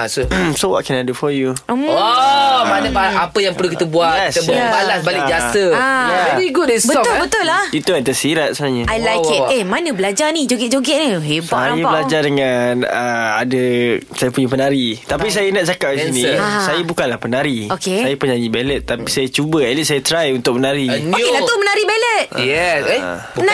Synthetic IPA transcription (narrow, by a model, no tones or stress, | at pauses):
asosowɔ̰t̪̚kɛnadəfɔjuɔadəbaapəjaŋpərlukit̪əbuatast̪əbbalasbalɪd͡ʒasəajaadiiɡʊdɛsbəɔʊlbətt̪ʊlːait̪uat̪əsiɾat̪̚sənaɲəajlajkit̪emanə̃bəlad͡ʒarnid͡ʒoɡɛʔ̚d͡ʒoɡɛʔniɦebaajaaəlad͡ʒardəŋanəadəsajapuɲapənaɾit̪apis̬ajanat̚d͡ʒakap̚disinĩsajabukanlahpənaɾiokesajapuɲanibɛlət̪̚ːapisajat͡ʃubəɛt̪̚lisajat̪ɾajunt̪ʊk̚mənaɾiokelat̪umənaɾibalət̪̚jɛse | na